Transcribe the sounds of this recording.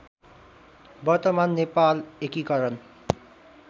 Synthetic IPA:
bɔɾt̪ɔmanːepalekikʌɾɔn

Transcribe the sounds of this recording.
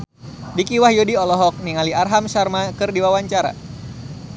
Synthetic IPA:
dikiwahjodiɔlɔɦɔk̚niŋaliarɦamʃarmakɨrdiwawaɲt͡ʃaɾa̰

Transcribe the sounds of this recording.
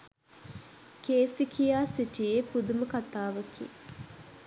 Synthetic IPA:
keːsikʰijaːsiʈijeːpud̪uməkat̪aːʋəkʰḭ

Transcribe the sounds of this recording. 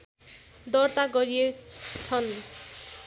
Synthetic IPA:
d̪ʌrt̪aɡʌɾijet͡sʰʌn

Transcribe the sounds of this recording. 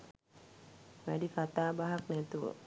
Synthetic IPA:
mɛdikat̪abaɦak̚nɛt̪uwə̰

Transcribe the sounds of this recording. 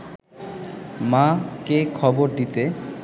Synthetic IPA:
makekʰɔboɾd̪it̪e

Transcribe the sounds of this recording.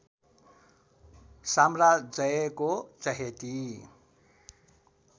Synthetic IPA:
samrad͡zʌjekot͡sʌɦet̪i

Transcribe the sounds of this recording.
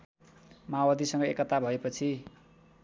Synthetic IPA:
mawad̪isʌŋɡʌekːʌt̪abʱʌepʌt͡sʰi

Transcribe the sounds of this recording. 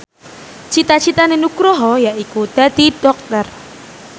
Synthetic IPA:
t͡ʃit̪at͡ʃit̪anenukɾɔɦɔjaʔikud̪̥ad̪̥id̥ɔk̚t̪ɔr

